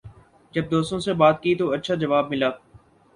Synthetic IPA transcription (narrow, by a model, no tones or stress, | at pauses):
d͡ʒəb̚d̪oːst̪õsebaːt̪̚kit̪oːɐtːʃʰaːd͡ʒɐʋaːb̚mɪlaː